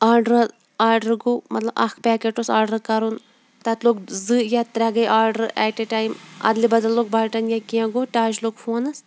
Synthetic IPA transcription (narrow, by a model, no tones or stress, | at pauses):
aːɾɖɾɐz | aːɾɖɐɾɡoːmɐ̰t̪lɐbʔɐ̰kʰpɛːkeʈosaːɾɖɐɾkɐɾun | t̪ɐt̪loːk̚zɨjat̪ɾɛɡɐjʔaːɾɖɐɾɛːʈeʈaːjmɐ̰d̪libɐd̪ɐlːoːk̚baːʈɐnjakiɐ̃ɡoːʈaːt͡ʃloːɡfʰoːnɐs